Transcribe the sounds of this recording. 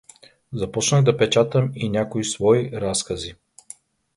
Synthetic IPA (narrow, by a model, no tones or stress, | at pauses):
zɐpɔt͡ʃnəɣd̪ɐpɛt͡ʃat̪əminʲjakoisvɔiɾaskɐzi